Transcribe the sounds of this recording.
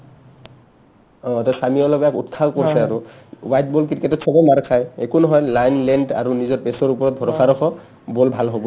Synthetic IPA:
ɔ̃tɔsamiɔlɔɡɔɛkṵtkʰakoɹisɛaɹuwajt̚bolk̬iketɔtsɔbɔmaɹkʰajekunɔɦɔjlajnlɛnda̰ɹunizɔɹpɛsɔɹupɔɹɔt̚bʱɔɹɔxʰaɹɔxɔ | bolbʱalɦobɔ

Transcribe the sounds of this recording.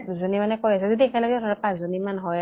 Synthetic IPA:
zonimanɛkojasɛzodiɛkʰɛlɔɡɛɔtʰɔɹɔpãszonimanɦɔj

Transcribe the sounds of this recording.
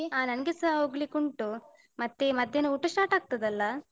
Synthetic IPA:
aːnɐnɐɡesɐoɡɭikoɳʈu | mɐt̪ːemɐd̪ʱjɐnuuʈːɐsʈaːɾʈaːɡ̚t̪ɐd̪ɐlːɐ

